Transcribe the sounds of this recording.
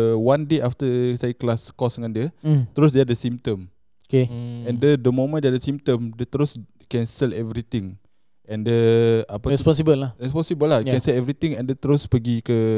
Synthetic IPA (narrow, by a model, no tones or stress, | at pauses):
əwãndeaft̪əsajəklaskɔsdəŋãndiət̪ɾos̬deadəsĩmt̪əm | okeɛ̃ndədəmõmə̃ndeadəsĩmt̪əmdət̪ɾos | kɛ̃nsɛlɛvɾit̪ĩŋ | ʔɛ̃ndəapəɛspɔ̃ns̬ibəlːaɾɛspɔ̃nsibəlajkɛ̃nsɛlɛvɾit̪ĩŋɛ̃ndət̪ɾospəɡikə